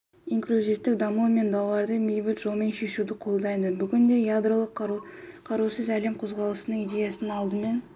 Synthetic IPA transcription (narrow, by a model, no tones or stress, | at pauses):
iŋklʲuzift̪ɪk̚d̪ɑmume̞nd̪ɑwɑɾd̪əmejbɪt̪ʒo̞lˠme̞nʃe̞ʃud̪ɪqʰo̞lˠd̪ɑjd̪əbʏɡʲɪnd̪e̞jad̪rolˠəqqʰɑɾusəzæle̞mqʰozʁɑlˠəsənəɴijd̪e̞jasənɑlˠd̪əme̞n